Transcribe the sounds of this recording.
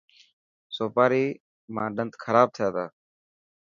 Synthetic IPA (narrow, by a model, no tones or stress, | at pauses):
soːpaːɾiː | mãːɗənt̪kʰəɾaːb̚t̪ʰɪjaːt̪aː